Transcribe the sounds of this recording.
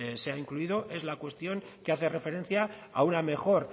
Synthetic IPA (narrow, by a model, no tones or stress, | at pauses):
seaiŋkluiðo̞ʔe̞zlakwe̞st̪jo̞ŋ | keaθe̞re̞fe̞ɾe̞nθjaa̰uname̞xo̞ɾ